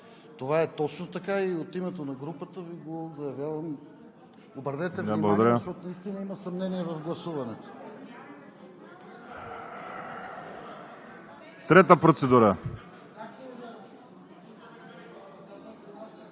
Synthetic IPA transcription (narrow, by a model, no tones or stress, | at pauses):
t̪ovaɛt̪ɔt͡ʃnot̪ɐkaiot̪imɛt̪onɐɡɾupət̪əviɡozɐjɐvjavɐm | obɾd̪ɛt̪ɛablˠɡod̪ɐɾaʃt̪ɔt̪nɐist̪inəimɐsɐmnɛniɛvɐfɡlˠɐsuvɐnɛt̪ʊ̥ | t̪ɾɛt̪əpɾot̪sɛd̪uɾə